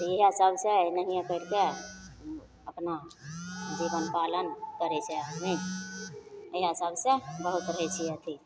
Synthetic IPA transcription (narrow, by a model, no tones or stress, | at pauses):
jeɦəsəbsenəɦĩãkəɾke | əpna | d͡ʒibənpalənkəɾɛt͡ʃʰeəni | eɦɦəsəbsebəɦut̪ɾəɦɛt͡ʃʰiət̪ʰi